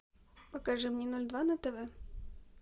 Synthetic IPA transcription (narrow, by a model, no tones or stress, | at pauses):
pəkɐʐɨmnʲɛnɔlʲd̪vanɐt̪ɛvɛ